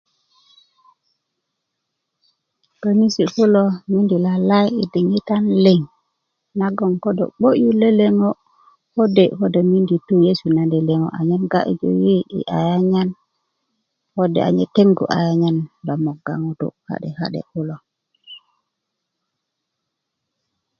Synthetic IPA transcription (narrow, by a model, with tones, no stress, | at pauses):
to˨ni˦si˨ku˦lo˦mi˦ndi˨la˨la˦ji˨di˨ŋi˦ta˦nle˨ŋ | na˦ɡɔ˨ŋko˦dɔ̰˨ɓo˦ʔju˦le˦le˦ŋo˦ | ho˦de˨ko˦de˨mi˦ndi˨tu˦je˦su˨nandɛ˨le˨ŋo̰˨ʔa˨ɲa˦nɡa˦ʔḭ˦d͡ʒo̰wi˦ḭ˨ʔa̰˨ja˦ɲa˦n | ho˦dɛ̰ʔa̰˨ɲɛ˦te˦ŋɡṵ˨ʔa̰˨ja˦ɲa˨nba˨mo˨ɡa̰˨ŋu˦tṵ˨ha̰˨ɗɛ˨ka̰˦ɗɛ̰˨ku˦lo˨